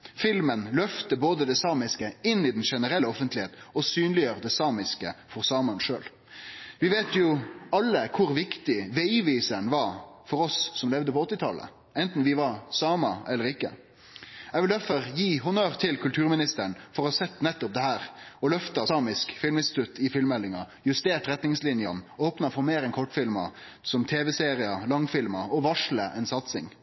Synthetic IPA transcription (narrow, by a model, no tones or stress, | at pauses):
fɪlmənlœft̪əboːd̪əd̪ɛsɑːmɪskəɪnːɪd̪n̩ʂɛnəɾɛlːəɔfənt̪lɪheːt̪ɔsyːnlɪəɾəd̪ɛsɑːmɪskəfɔʁsɑːmɑnʂø̰ːl | ʋɪʋeːt̪jʊɑlːəkʰʊɾʋɪkt̪ɪʋɛiːʋiːsənʋɑfɔɾɔsːɔmlɛʋd̪əpɔɔt̪ːɪt̪ʰɑlːə̰ | ɛnt̪n̩ʋɪʋɑɾsɑːmɑɛlːəɾɪkːə̰ | ɛɡʋɪld̪æɾfɔɾjiːɦʊnøːɾt̪ʰɪlkʰʉlt̪ʰʉːɾmɪnɪst̪əɳfɔɾɔhɑsɛt̪ːnɛt̪ːɔp̚d̪ɛɦæːɾɔlœft̪ɑsɑːmɪskfɪlməɪnst̪ɪ̥t̪ʉt̪ʰːɪfɪlmɛlːɪŋɑ | jʉst̪eːʈɾɛt̪nɪŋslɪnjɑ̰noːpnɑfɔɾmeːɾɛnkʰɔʈːfɪlmɑ̰ | sɔmt̪ʰeːʋɛseːɾɪɑlɑŋfɪlmɑɔʋɑʂləʔɛnsɑt̪sɪŋ